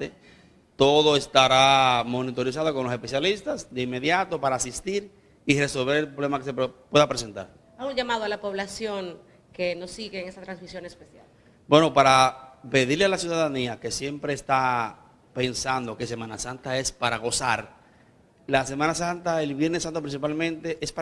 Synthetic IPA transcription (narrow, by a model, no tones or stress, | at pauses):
t̪e | t̪o̞ðo̞e̞st̪aɾamo̞nit̪o̞ɾis̬aðo̞konlo̞se̞spe̞sjalist̪asd̪e̞imːe̞ðjat̪o̞paɾaːsist̪iɾ | ire̞so̞lβe̞ɾe̞lpɾoβlemakesepwe̞ðapɾe̞s̬e̞nt̪a̰ɾ | auɲʝamaðoalapo̞βlasjo̞ŋ | kenosiɣeːŋe̞sat̪ɾansmisjo̞nespesjal | bwe̞no̞paɾape̞ðiɾlealasjuðaðaniake̞sje̞mpɾe̞ːst̪a | pe̞nsand̪o̞ke̞se̞mãnasant̪ae̞spaɾaɣo̞saɾ | las̬e̞mãnasant̪ae̞lβje̞ɾnesːant̪opɾins̬ipalmẽnt̪e̞ʔespa